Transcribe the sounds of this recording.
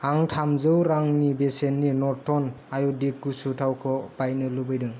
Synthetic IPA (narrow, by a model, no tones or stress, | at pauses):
aŋtʰamzɯwɾaŋnibesenːinɔtʰɔn | ajɔdik̚ɡusutʰawkʰɔb̥ajnɯlɯbɯjdɯŋ